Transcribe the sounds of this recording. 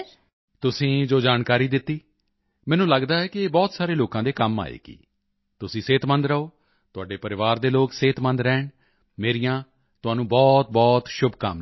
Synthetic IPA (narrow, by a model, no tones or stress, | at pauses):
t̪ʊsĩːd͡ʒoːd͡ʒaːnkaːɾiːd̪ɪt̪ːiː | mɛ̃ːnũːləɡd̪aːɛːkɪeːbɔːt̪saːɾeːloːkãːd̪eːkəma̰ːḛːɡḭː | t̪ʊsĩːseːt̪mə̃nd̪ɾəoː | t̪ʊaːɖeːpəɾɪʋaːɾd̪eːloːkseːt̪mə̃nd̪ɾɛːɳ | meːɾijãː | t̪ʊɦaːnũːbɔːt̪̚bɔːt̪ʃʊbʱkə̰m